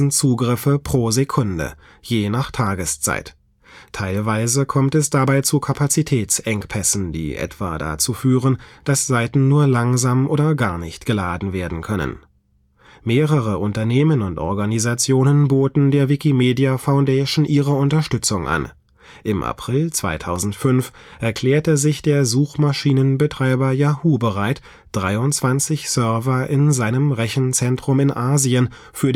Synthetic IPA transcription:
n̩t͡suːɡʁɪfəpʁ̥oːzekʰʊndə̰ | jeːnaːχtʰaːɡəst͡sa̰ɪtʰː | aɪlvaɪzəkʰɔmtɛsd̥abaɪt͡sukʰapʰat͡sitʰɛːt͡sʔɛŋkpʰɛsn̩d̥ḭːʔɛ̰tv̥a̰ːda̰t͡suːfyːʁ̞ənd̥asz̥aɪtn̩nuːɐlaŋzaːmʔoːdɐɡaɐnɪçtɡ̥əlaːdn̩veːɐdn̩kʰœnə̰n | meːʁəʁəʔʊntɐneːmənʊntʔɔ̰ɐɡanizat͡sjoːnənboːtn̩deːɐvɪkimeːdiafaʊndɛːʃn̩ʔiːʁəʊntɐʃtʏt͡sʊŋʔa̰n | ʔɪmʔa̰pʁ̥ɪlt͡sv̥a̰ɪtʰaʊzn̩tfʏnfʔɛɐkʰl̥ɛːɐtəzɪçd̥eːɐzuːχmaʃiːnənbətʁ̥aɪbɐjaːhuːbəʁaɪt | d̥ʁaɪʊntt͡sv̥ant͡sɪçsœɐvɐʔɪnzaɪnəmʁɛçn̩t͡sɛntʁ̥ʊmɪnʔaːziən | fyːɐ

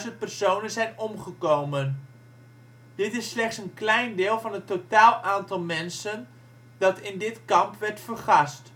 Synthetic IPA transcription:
zənt̚pərsownənzɛjnɔmχəkowmən | d̥ɪtɪsːlɛχtsənklɛjndɪːlˠvɑnɦətotaːlˠʔaːntɑlˠmɛnsən | d̥ɑtɪndɪtkɑmpʋɛɹtfərχɑst

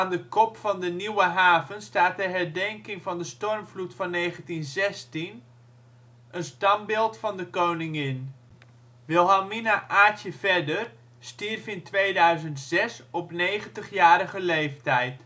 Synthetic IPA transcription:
aːndəkɔpfɑndəniwəɦaːvənstaːt̚dəɦɛɹdɛŋkɪŋvɑndəstɔrmvlutfɑnːejχəntinzɛstin | ʔənstɑmbɪːlˠtfɑndəkownɪŋɪn | ʋɪlˠɦaminaʔaːtəvɛdər | stirfɪntʋejdœɥzəntsɛsɔpnejχəntəχjaːɾəχəlejftɛjt

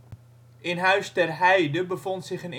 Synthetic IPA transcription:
ʔɪnɦœɥstɛrɦɛjdəbəfɔntsɪχən

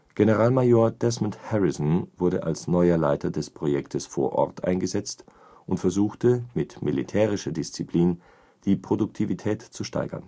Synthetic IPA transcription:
ɡ̥enəʁaːlmajoːɐd̥ɛsmʊnthɛʁɪzn̩vʊɐɾə̰ʔa̰lsnɔʏɐla̰ɪtʰɐdɛspʁ̥ojɛktʰəsfo̰ːɐʔɔ̰ɐtʔa̰ɪnɡəzɛt͡st | ʔʊntfɛɐzuːxtəmɪtmilitʰɛːʁɪʃɐdɪst͡sipl̥iːn | d̥iːpʁ̥odʊk̚tʰivitʰɛːtt͡suʃta̰ɪɡɐ̰n

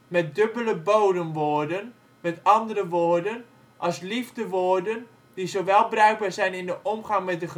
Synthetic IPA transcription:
mɛt̚døbələbowdəmʋoːɹdən | mɛtɑndərəʋoːɹdən | ʔɑlˠslivdəʋoːɹdən | d̥izowʋɛlˠbərœɥɡ̚baːɹzɛjnɪndəʔɔmχɑŋmɛt̚də

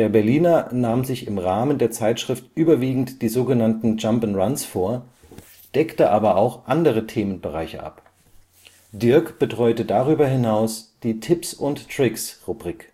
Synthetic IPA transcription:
d̥eːɐbɛɐliːnɐnaːmzɪçɪmʁaːməndeːɐt͡saɪtʃʁ̥ɪftʔyːbɐviːɡŋ̩td̥iːzoːɡənantn̩d͡ʒampən̩ʁansfoːɐ | d̥ɛktəʔaːbɐaʊxʔandəʁ̞ətʰeːmənbəʁaɪçə̰ʔa̰p | d̥ɪɐkb̥ətʁ̥ɔʏtədaʁyːbɐɦɪnaʊsd̥iːtʰɪpsʊnttʁ̥ɪksʁubʁiːk

